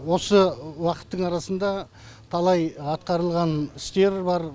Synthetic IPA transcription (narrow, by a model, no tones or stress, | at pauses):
wo̞səwɑqə̥t̪ːəɴɑɾɑsənd̪ɑ | t̪ʰɑlˠɑjɑt̪̚qɑɾəlˠʁɑnɪst̪e̞ɾbɑɾ